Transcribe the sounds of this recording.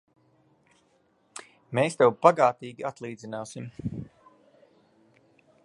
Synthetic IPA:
meːst̪ɛwbaɡaːt̪iːɡʲiat̪lˠiːd̪zinaːsim

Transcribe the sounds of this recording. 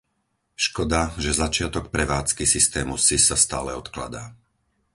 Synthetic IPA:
ʃkɔd̪aʒɛzat͡ʃɪat̪ɔk̚pɾɛʋaːt͡skisist̪ɛːmusisast̪a̰ːlɛɔt̪kla̰d̪aː

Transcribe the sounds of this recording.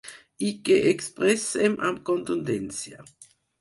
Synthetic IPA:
ikːeʔekspɾɛsemʔa̰mkont̪und̪ɛnt͡sja

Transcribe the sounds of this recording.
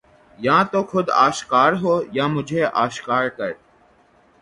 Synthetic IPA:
jãːt̪oːkʰʊd̪a̰ːʃkaːɾɦoːjãːmʊd͡ʒʱeːʔaːʃkaːɾkəɾ

